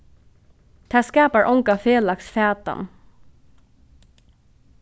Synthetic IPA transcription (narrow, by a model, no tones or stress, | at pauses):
t̪ʰaːskɑːpaɹʔɔŋkafeːlaksfæːt̪a̰n